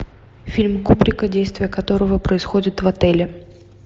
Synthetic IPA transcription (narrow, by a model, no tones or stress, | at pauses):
fʲilʲmkupɾʲɪkədʲejst̪vʲɪjəkɐt̪o̞ɾəvəpɾəɪsxodʲɪt̪vɐt̪ɛlʲɪ